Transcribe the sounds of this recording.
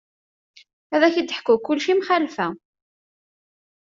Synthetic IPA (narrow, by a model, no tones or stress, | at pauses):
æðæçid̪ħkːukːʊlʃimχælfæ